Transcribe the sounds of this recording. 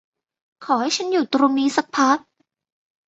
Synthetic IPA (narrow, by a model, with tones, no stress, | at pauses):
kʰɔː˩˦ha˥˩jt͡ɕʰa˦˥njuː˨˩t̪ɾuː˧miː˦˥sa˦˥k̚pʰa˦˥k̚